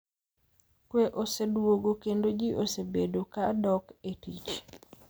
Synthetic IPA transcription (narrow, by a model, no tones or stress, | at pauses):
kweʔosedwoɡokendod͡ʒiʔosebedokadɔketit͡ʃ